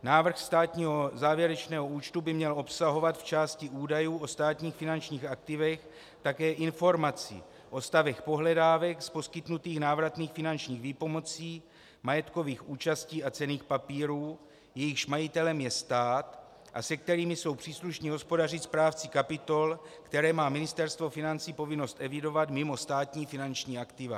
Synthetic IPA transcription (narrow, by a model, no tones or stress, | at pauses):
naːvr̩xst̪aːt̪ɲiːɦo̞zaːvjɛɾɛt͡ʃnɛːɦo̞uːt͡ʃt̪ubɪmɲɛlo̞psaɦo̞vat̪ft͡ʃaːscɪʔuːdajuːʔo̞st̪aːt̪ɲiːxfɪnant͡ʃɲiːxak̚t̪ɪvɛx | t̪akɛːʔɪnfo̞ɾmat͡sḭ | ʔo̞st̪avɛxpo̞ɦlɛdaːvɛkspo̞skɪt̪nut̪iːxnaːvɾat̪niːxfɪnant͡ʃɲiːxviːpo̞mo̞t͡siː | majɛt̪ko̞viːxʔuːt͡ʃasciːat͡sɛniːxpapiːɾuː | jɛjɪxʃmajɪt̪ɛlɛmjɛst̪aːt̪ | ʔa̰sɛk̚t̪ɛɾiːmɪso̞wpr̝̥iːsluʃɲiɦo̞spo̞dar̝ɪt̪spɾaːft͡sɪkapɪt̪o̞lkt̪ɛɾɛːmaːmɪnɪst̪ɛɾst̪vo̞fɪnant͡siːpo̞vɪno̞st̪ʔɛvɪdo̞vat̪mɪmo̞st̪aːt̪ɲiːfɪnant͡ʃɲiːakt̪ɪva̰